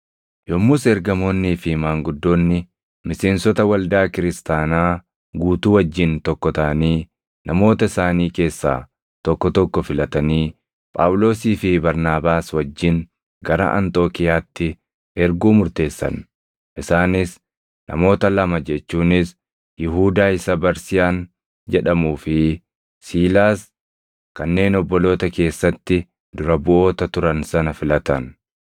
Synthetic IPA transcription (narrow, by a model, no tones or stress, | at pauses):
jɔmːʊsɛɾɡɐmo̞ːnːiːfɪmaːŋɡʊd̪ːo̞ːnːɪ | mɪseːnsɔt̪ɐwɐld̪aːkɪɾɪst̪aːnaː | ɡuːt̪uːwɐd͡ʒːɪnt̪ɔkːɔt̪ɐʔɐniː | nɐmo̞ːt̪ɐɪsaːniːke̞ːsːa̰ː | t̪ɔkːɔt̪ɔkːɔfɪlɐt̪ɐniː | pʼa̰ːwʊlo̞ːsiːfɪbɐɾnaːbaːswɐd͡ʒːɪn | ɡɐɾɐ̰ʔɐ̰nt̪ʼo̞ːkɪjaːt̪ːɪ | ɛɾɡuːmʊɾt̪e̞ːsːɐ̰n | ʔɪsaːnɪs | nɐ̰mo̞ːt̪ɐlɐmɐd͡ʒɛt͡ʃːuːnɪs | jɪɦuːd̪aːɪsɐbɐɾsɪjaːn | d͡ʒɛᶑɐmuːfɪ | siːlaːs | kɐnːe̞ːnɔbːɔlo̞ːt̪ɐke̞ːsːɐt̪ːɪ | d̪ʊɾɐbʊʔo̞ːt̪ɐt̪ʊɾɐnsɐnɐfɪlɐt̪ɐn